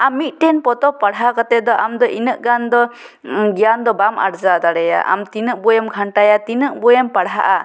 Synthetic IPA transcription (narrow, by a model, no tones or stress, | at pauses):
amit̪̚ˀʈɛnpɔt̪ɔpaɽɦakat̪ɛd̪ɔʔamd̪ɔʔinəʔɡand̪ɔ | ɡijand̪ɔbama̰ɽd͡ʒad̪aɽɛja̰ʔa̰mt̪inəʔ̚bɔjɛmɡʰʱaɳʈajat̪inəʔbɔjɛmpaɽɦa̰ʔa